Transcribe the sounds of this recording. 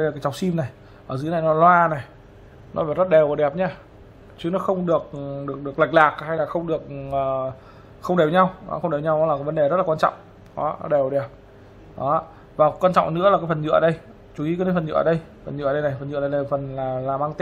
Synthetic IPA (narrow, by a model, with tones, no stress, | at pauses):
ə˧a˨˩aː˨˦jt͡ɕɔ˨˩k͡p̚si˧mna˨˩j | ʔəː˧˩zɨ˨˦na˨˩jnɔ˨˦lwaː˧na˨˩j | nɔ˨˦vaː˨˩zə˦˥t̚ɗɛ˨˩wʔɔː˨˩ɗɛ˨˩p̚ɲaː˧ | t͡ɕi˨˦nɔ˨˦xə˧wŋ͡mɗɨ˨˩ək̚ɗɨ˨˩ək̚ɗɨ˨˩ək̚la˨˩k̟̚laː˨˩k̚ha˧jlaː˨˩xə˧wŋ͡mɗɨ˨˩ək̚əː˨˩ | xə˧wŋ͡mɗe˨˩ɲa˧wnɔ̰˨˦xə˧wŋ͡mɗe˨˩ɲa˧wnɔ˨˦laː˨ka˨˦və˨˦nɗe˨˩zə˦˥t̚laː˨˩waː˧nt͡ɕɔ̰˧˨wŋ͡m | ʔɔ˨˦nɔ̰˨˦ɗɛ˨˩wɗɛ˨˩p̚ | ɗɔ˨˦ | vaː˨˩˦kwaː˧nt͡ɕɔ̰˧˨ŋ͡mnɨ̰˧˥laː˨˩kaː˨˦jfə˨˩nɲɨ̰˧˨ʔəː˨ɗə˧j | t͡ɕu˨˩i˨˦kːaː˨˦˨fə˨˩nɲɨ̰˧˨ə̰ː˨ɗə˧j | fə˨˩nɲɨ̰˧˨˩ɗə˧jna˨˩jfə˨˩nɲɨ̰˧˨˧la˧˨˩fə˨˩nlaː˨˩laː˨˩maː˧ŋt̪i˧